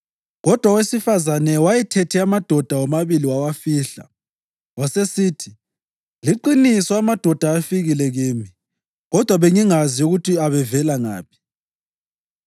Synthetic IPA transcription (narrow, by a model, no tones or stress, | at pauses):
ɣɔd̥ʱwawesifazanɛwajɛtʰetʰɛamad̥ʱɔd̥ʱawɔmaβiliwawafiːɬa̰ | wasesiːtʰi | liǃinisɔamad̥ʱɔd̥ʱaːfiɣilɛɣiːmi | ɣɔd̥ʱwaβeŋiŋaziuɣutiaβɛvɛlaŋa̰ːpʰi̥